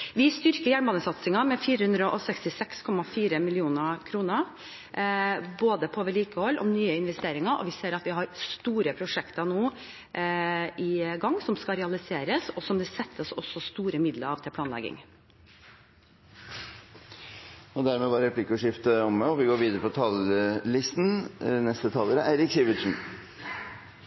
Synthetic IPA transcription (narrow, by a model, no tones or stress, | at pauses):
ʋɪst̪ʏɾkəɾjæɳmbɑːnəsɑt̪sɪŋɑmɛfiːɾəhʉnd̪ɾəʔɔsɛkst̪ɪsɛkskʰɔmɑfiːɾəmɪlɪuːnəkʰɾuːnəɾ | boːd̪əpʰɔoːʋɛɭiːkəhɔlːʔɔ̰mnyːəɪnʋɛst̪eːɾɪŋɑɾʔɔ̰ʋɪseːɾɑt̪ʋɪɦɑɾst̪uːɾəpʰɾʊʂɛkt̪ɑnoː | ʔɪɡɑŋːsɔmskɑɾɛɑlɪseːɾəsɔsɔmd̪ɛsɛt̪ːəsɔsːɔst̪uːɾəmɪd̪ləɾɑːʋt̪ʰɪlp̪ʰɑːnlɛ̰ɡɪ̰ŋ | ɔd̪æɾmɛʋɑɾɛplɪkʊʂɪft̪əɔmɔʋɪɡoːɾʋiːd̪əɾəpʰɔt̪ʰɑllɪst̪n̩nɛst̪ət̪ʰɑːləɾəʔæɪɾɪksiːʋɪt̪ʂn̩